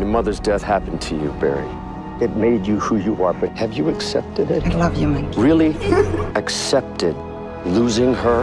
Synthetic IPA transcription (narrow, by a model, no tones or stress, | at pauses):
əmʌðə˞zdɛθhæpn̩tʰɨjɨ̰bɛ̰ɹḭ | ɨt̚meɪd͡ʒɨhujɨə˞bʌt̚hɨvjɨɨksɛp̚tɨɾɪt̚lʌvjɨmɛ̃ɹɪlˠiɨksɛp̚tɪd̚ | luzɪ̃ŋə˞